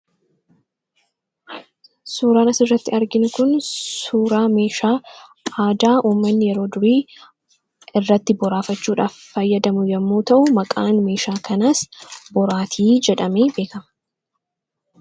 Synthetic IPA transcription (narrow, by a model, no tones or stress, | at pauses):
suːɾaːnɐsɪrːɐt̪ːɪɐɾɡɪnʊkʊnsuːɾaːme̞ːʃaː | aːd̪aːʔuːmːɐnːɪjɛɾo̞ːd̪ʊɾiː | ɪrːɐt̪ːɪbɔɾaːfɐt͡ʃːuːᶑaːfːɐjːɐd̪ɐmʊjɐmːoːt̪ɐʔʊmɐkʼaːnme̞ːʃaːkɐnɐsbɔɾaːt̪ʰiːd͡ʒɛᶑɐmeːbe̞ːkɐmɐ̥